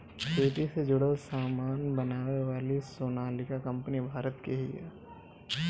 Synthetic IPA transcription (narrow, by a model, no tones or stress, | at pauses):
keːʈised͡ʒʊɽəlsaːmaːnbɐnaːweʋaːlisoːnaːlɪkakɐ̃mpənibʱaːɾət̪keɦḭɛ̰